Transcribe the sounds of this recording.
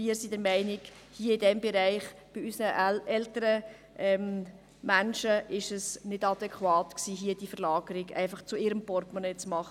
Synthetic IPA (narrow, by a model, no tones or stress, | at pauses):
miəɾsidəɾmæɪnɪɡ | hiəɪdɛmbɛɾæɪχb̥ɪysnəɛltəɾə | ʔɛm | mænʃəʔɪʃəsnɪdɑd̪ɛkχwɑːtksiːɦiəd̥iəfəɾlɑːɡ̥əɾɪɡæ̰ɪfɑχt͡sʊɪɾəmpɔɾtmɔnɛt͡smɑχ